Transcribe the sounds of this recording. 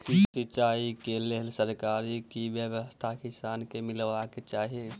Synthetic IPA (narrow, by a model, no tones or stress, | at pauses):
isɪt͡ʃaːikeleɦlsəɾkaːɾikiʋjəʋəst̪ʰakɪsaːnkemɪlʋaket͡ʃaːɦie